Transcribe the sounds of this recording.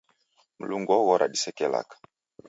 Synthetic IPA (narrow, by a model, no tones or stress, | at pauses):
m̩luŋɡɔɣɔɾʔa̰ɗisɛkɛla̰kḁ